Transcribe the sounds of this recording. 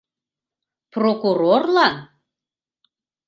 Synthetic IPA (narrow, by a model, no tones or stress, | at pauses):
prokuɾorlɑn